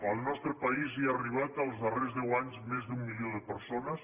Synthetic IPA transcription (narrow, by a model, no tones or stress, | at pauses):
əlˠnɔst̪ɾəpəiziaːriβ̞at̪əlˠzðərezðɛwaɲzmezd̪umːilioðəpəɾsonəs